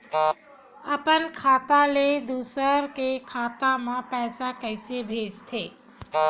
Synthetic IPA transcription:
əpənkʰaːt̪aled̪usəɾkekʰaːt̪amãpɛːsakəjsebʱeːd͡ʒt̪ʰeː

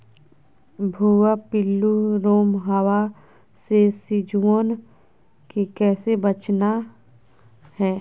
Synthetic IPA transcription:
bʱuːapɪlːuɾoːmɦəwa | sesɪd͡ʒuon | kekɛːsebət͡ʃna | hɛː

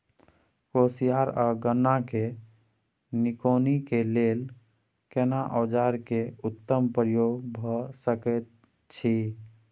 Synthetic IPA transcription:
kosijaɾəɡənːake | nikonikelel | kenaʔɔd͡ʒaɾkeut̪ːəmpɾjoɡbʱɔsəkɛt̪̚ | t͡ʃʰi

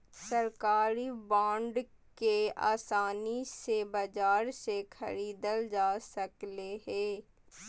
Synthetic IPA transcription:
səɾkaːɾibãːɳɖ | kea̰ːsaːnisebɐd͡ʒaːɾsekʰɐ̰ɾiːd̪əld͡ʒaːsəkleɦɛː

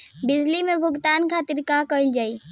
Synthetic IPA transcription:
bɪd͡ʒlimebʱʊɡt̪ankʰat̪iɾkakəjld͡ʒai

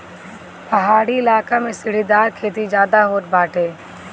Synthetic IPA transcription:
pɐɦaːɽiɪlaːkamẽsɪɽ̤id̪aːɾkʰeːt̪̬id͡ʒjaːd̪aɦoːt̪̚baːʈʰeː

